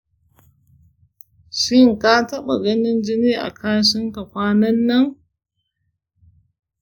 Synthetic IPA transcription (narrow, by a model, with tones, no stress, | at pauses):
ʃɪ˦ŋka˦tɐ˦ɓa̰˨ɡɐ˦nɪ˦nd͡ʒɪ˦niː˦ʔa̰˨kʰaː˦ʃɪ˦ŋka˨kʷaː˦nɐ˦nːɐ˦ŋ